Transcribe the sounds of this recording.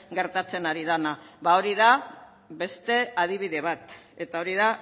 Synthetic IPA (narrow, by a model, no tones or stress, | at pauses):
ɡe̞ɾt̪at͡se̞naɾiðanaβao̞ɾiða | βe̞st̪e̞að̞iβiðe̞β̞at̪e̞t̪ao̞ɾiða